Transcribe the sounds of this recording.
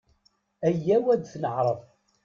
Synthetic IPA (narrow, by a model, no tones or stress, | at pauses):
æjːæwæd̪θnəʕɾˤəv